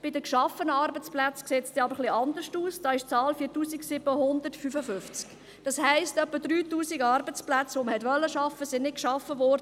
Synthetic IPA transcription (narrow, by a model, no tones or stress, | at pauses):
b̥ɪdəkʃɑfənəɑɾbət͡splæt͡skseːtsd̥iːɑbəɾχliʔɑndəʃtuːsd̥ɑːɪʃt͡sɑːlfiːtuːsiɡsɪbəhʊndəɾtfyfəfʏft͡sk | d̥ɑshæɪstœpːədɾyːtuːsiɡɑɾbət͡splæt͡sʋoməhɛtʋœlːəʃɑfəsɪnnɪt̚kʃɑfəvɔːɾdə